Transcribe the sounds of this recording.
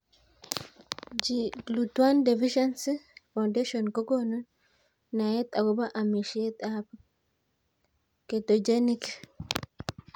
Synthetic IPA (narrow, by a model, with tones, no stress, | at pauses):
d͡ʒiɡlut̪wa˦nde˨viʃɛ˦nsifã˨ndeʃonko˦ɡono | na˨e˦t̪a˨ɡo˦ba˦ʔa˨mi˨ʃie˦t̪ab | ket̪od͡ʒe˦nik